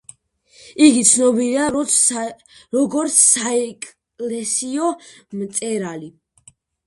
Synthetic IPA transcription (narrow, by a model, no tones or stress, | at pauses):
iɡit̪sʰnɔbiɾiaɾɔt̪sʰ | ɾɔɡɔɾt̪sʰːaɛkʼ | lɛsiɔmt̪sʼɛɾali